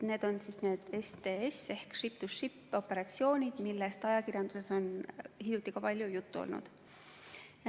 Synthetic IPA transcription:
ne̞ːd̪̥o̞nsisne̞ːd̪̥est̪eese̞hkʂip̚t̪usʃipːˑo̞pːˑe̞ɾɑt̪sio̞ːnʲid̪̥milːest̪ɑjɑkirjɑnd̪̥use̞so̞nhilʲjut̪ːikɑpɑlʲjujut̪ːuo̰lnṵd̪̥ | j

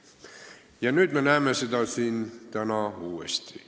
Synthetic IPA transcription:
jɑnyt̪menæːmːesit̪æsint̪æmæuːḛst̪ḭ

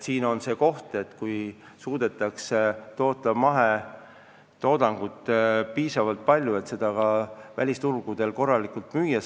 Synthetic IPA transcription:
siːno̞nse̞ːko̞ht̪e̞t̪ːkuj | suːd̪̥e̞t̪ːˑɑkset̪o̞ːt̪ːˑɑmɑɦe | t̪o̞ːd̪̥ɑŋɡ̥ut̪ːˑpiːsɑvɑlt̪̚pɑlʲjue̞t̪se̞d̪̥ɑkɑvælʲist̪urɡ̥ud̪̥e̞lko̞rːɑlikult̪myːjːɑ

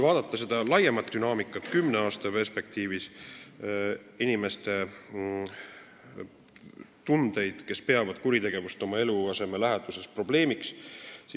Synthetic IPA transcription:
vɑːd̪ɑt̪ːˑɑse̞d̪̥ɑlɑjemɑt̪d̪ynɑːmikːˑɑt̪ːkymne̞ɑːst̪ɑpe̞rspe̞k̚t̪iːvis | inime̞st̪e̞ | t̪und̪̥e̞jd̪̥ke̞spe̞ɑvɑd̪kuɾit̪e̞ɡ̥e̞vust̪o̞mɑe̞luɑse̞me̞læɦed̪̥use̞spro̞ble̞ːmikssi

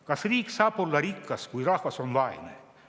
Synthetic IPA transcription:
kɑsriːkːsɑːpolːɑɾikːɑskujrɑhvɑsonlɑjnḛ

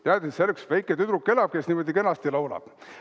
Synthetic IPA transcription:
t̪æːd̪eselːeksvæjkːˑet̪yd̪ɾukːe̞lɑb̥̚kesnimod̪ikenɑst̪ilɑwlɑ̰b̥

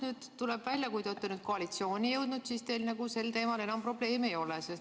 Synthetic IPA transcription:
nyːd̪̥t̪ːulɛb̥vælʲjɑkujd̪ot̪ːenyd̪̥̚koɑlit̪sio̞ːnʲijɤwd̪̥nud̪̥sist̪e̞ːlnɑɡuse̞lt̪e̞ːmɑlenɑmpro̞ble̞ːme̞jo̞leses

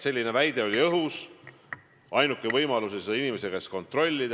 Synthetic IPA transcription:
se̞lʲːine̞væjd̪e̞o̞lʲiɤɦus | ɑjnukːˑevɤjmɑlusesinime̞seɡ̥ɑesko̞nt̪ro̞lʲːid̪

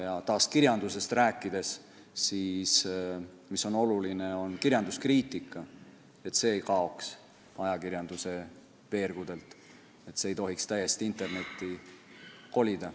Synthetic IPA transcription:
jɑt̪ɑːskiɾjɑnd̪use̞st̪ræːkˑːid̪̥e̞s | siːs | miso̞no̞luline̞o̞nkirjɑnd̪uskriːt̪ˑikːˑɑ | e̞t̪se̞ːjkɑo̞ks | ɑjɑkiɾjɑnd̪̥use̞ | ve̞ːrɡ̥ud̪̥e̞lt̪ˑ | e̞t̪seejt̪o̞ɦikst̪æjːe̞st̪iint̪ˑe̞rne̞t̪ːˑi | ko̞lʲid̪̥ɑ

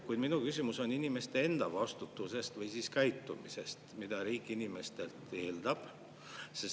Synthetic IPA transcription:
kujd̥̪minukysʲimuso̞ninime̞st̪e̞e̞nd̪̥ɑvɑst̪ut̪ːˑuse̞st̪vɤjsiːskæjt̪ːumise̞st̪mid̪̥ɑɾiːkːˑinime̞st̪e̞lt̪e̞ːld̪̥ɑb̥ | ses

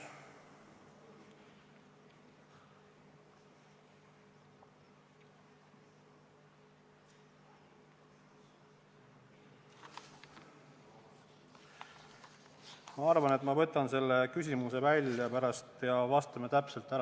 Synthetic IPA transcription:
mɑɑrvɑne̞t̪mɑvɤ̞t̪ːˑɑnse̞lːe̞kysʲimuse̞vælʲjɑpæɾɑst̪jɑvɑst̪ɑme̞t̪æpse̞lt̪ːˑæ

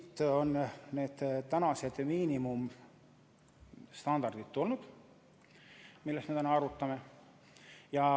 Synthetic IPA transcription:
t̪ːonːne̞ːd̪̥t̪ænɑse̞d̪̥miːnimum | st̪ɑnd̪ɑrd̪̥id̪̥t̪ːulnud̪̥ | milːest̪me̞t̪ænɑɑɾut̪ːˑɑme̞ | jɑ

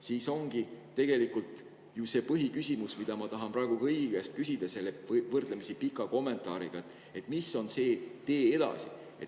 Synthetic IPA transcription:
siːso̞ŋɡ̥it̪ːe̞ɡ̥e̞likult̪ˑ | juse̞pɤɦikysʲimusmid̪̥ɑmɑt̪ɑɦɑnprɑˑeɡ̥ukɤjɡ̥est̪̚kysʲid̪ɑse̞lːevɤrd̪lemisipikːˑɑko̞mːe̞nt̪ˑɑ̰ːɾḭɡ̥ɑet̪ːˑ | e̞t̪ːˑmisːo̞nse̞ːt̪e̞ːe̞d̪̥ɑ̰sḭ | ḛt̪

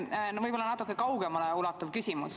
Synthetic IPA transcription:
nvɤjb̥olːɑnɑt̪ːˑukːˑekɑwɡ̥emɑleulɑt̪ːˑɑvkysʲimus

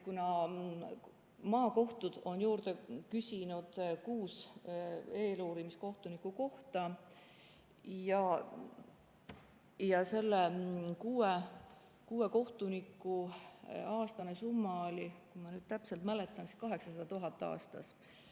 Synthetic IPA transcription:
kunɑ | mɑːko̞ht̪ud̪̥o̞njuːrd̪ekysʲinud̪̥kuːs | e̞ːluːɾimisko̞ht̪unikːˑuko̞ht̪ɑ | jɑ | jɑse̞lːekuːe | kuːe̞ko̞ht̪unikːˑu | ɑːst̪ɑnesumːɑolʲikumɑnyːd̪̥t̪æpse̞lt̪mælet̪ːˑɑnsi̥skɑɦe̞ksɑsɑd̪̥ɑt̪uɦɑt̪ːˑɑ̰ːst̪ɑ̰s

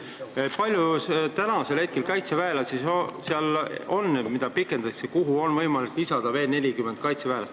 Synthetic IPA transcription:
pɑlʲjust̪ænɑse̞lhe̞t̪̚ke̞lkɑjt̪sevæelɑsisseɑlo̞nːmid̪ɑpikːˑe̞nd̪̥ɑksekuɦuo̞nvɤjmɑlikːˑisɑd̪̥ɑve̞ːlne̞lʲikymːend̪̥kɑjt̪sevæːlɑ̰st̪

